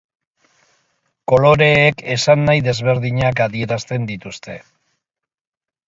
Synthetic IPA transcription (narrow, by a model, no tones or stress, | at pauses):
ko̞lo̞ɾe̞ːke̞sanːajðe̞zβe̞ɾðiɲakaðie̞ɾast̪e̞nd̪it̪ust̪e̞